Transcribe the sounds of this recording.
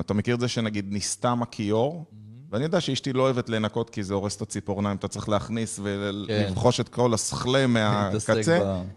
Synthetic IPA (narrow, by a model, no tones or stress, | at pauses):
atamekiʁezeʃenaɡid̪̚nist̪amakʰio̞ʁveanijodaʃeiʃtiloːevetlenako̞tkizeo̞ʁest̪at͡sipoʁnaimat̪at͡sʁi̥χleaχnisvelivχo̞ʃetkolasχlemeakat͡se